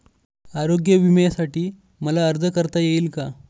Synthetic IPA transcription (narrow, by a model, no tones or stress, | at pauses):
aɾoɡjəʋiməjasaʈiː | məlaəɾd͡zəkəɾt̪ajeiːlka